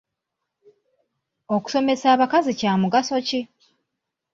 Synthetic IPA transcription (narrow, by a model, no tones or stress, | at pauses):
o̞ku̥so̞me̞saːβakazicaːmuɡaso̞ci